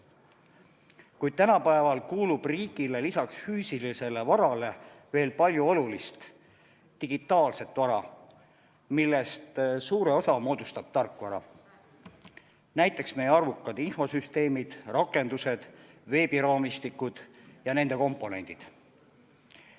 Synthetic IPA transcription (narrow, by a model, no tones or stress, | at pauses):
kujd̪̥̚t̪ænɑpæevɑlkuːlub̥riːɡ̥ile̞lisɑksfyːsilise̞le̞vɑɾɑle̞ve̞ːlpɑlʲjuo̞lulist̪ | t̪iɡ̥it̪ːˑɑːlse̞t̪ːvɑɾɑ | milːe̞st̪suːɾe̞o̞sɑmo̞ːd̪̥ust̪ɑb̥̚t̪ɑrkːvɑɾɑ̰ | næjt̪ːˑe̞ksme̞jeɑrvukːˑɑd̪̥info̞syst̪e̞ːmid̪̥rɑkːˑe̞nd̪use̞d̪̥ve̞ːbiɾɑːmist̪ikːˑud̪̥jɑne̞nd̪̥e̞ko̞mpːˑo̞ne̞̰nd̪̥id̪̥